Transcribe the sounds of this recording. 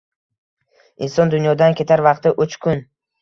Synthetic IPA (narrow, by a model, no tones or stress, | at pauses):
insɒnd̪ʊnjɒd̪ankʲʰe̞t̪ʰaɾvɑqt̪ɪʔʊt͡ʃkʲʰʊn